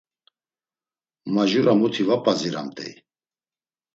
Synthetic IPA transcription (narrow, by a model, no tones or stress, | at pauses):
maʒuɾamut̪ʰivapʼaziɾa̰mt̪ʼɛ̰j